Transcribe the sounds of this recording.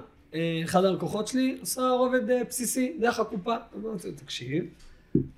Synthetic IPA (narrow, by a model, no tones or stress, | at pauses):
eeχad̪aalkoχo̞tʃeliosaoved̪epsisid̪eʁeχakupaamt̪t̪akʃiv